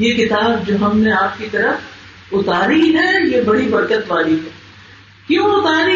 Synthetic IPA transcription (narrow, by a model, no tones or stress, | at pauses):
jekɪt̪aːbd͡ʒoːɦɐmneaːp̚kit̪ɐɾəf | ʊt̪aːɾiɦɛjebɐɽibɐɾkət̪ʋaːliɦɛː | kjõːʊt̪aːɾi